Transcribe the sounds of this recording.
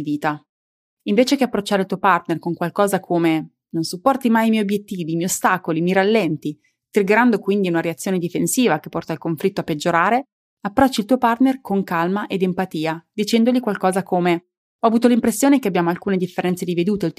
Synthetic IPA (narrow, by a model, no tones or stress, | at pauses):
viːt̪a | iɱveːt͡ʃekeapːɾot͡ʃːaɾelt̪uopart̪nerkoŋkwalkɔːzakʰome | nonsupːɔrt̪imajimjɛjobjet̪ːiːvimɛjost̪aːkolimiɾalːɛnt̪i | t̪ɾiɡeɾand̪okwind̪iunaɾeat̪sːjoːned̪ifensiːvak̟epːɔrt̪ailkoɱflit̪ːoapːed͡ʒːoɾaːɾe | apːɾɔt͡ʃːilt̪uːopart̪nerkoŋkalmaʔed̪empat̪iːad̪it͡ʃɛnd̪oʎikwalkɔːzakome | ɔavuːt̪olimpɾesːjoːnekeabjaːmoalkuːned̪ifːeɾɛnt̪sed̪ived̪uːt̪ei